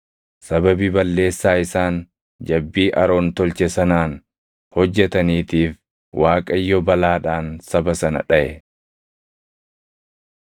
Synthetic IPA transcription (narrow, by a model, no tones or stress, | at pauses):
sɐbɐbibɐlːe̞ːsːaːɪsaːn | d͡ʒɐbːiːʔɐɾo̞ːnt̪ɔlt͡ʃɛsɐnaːn | hɔd͡ʒːɛt̪ɐniːt̪iːf | waːkʼɐjːɔbɐlaːᶑaːnsɐbɐsɐnɐ̰ᶑɐʔɛ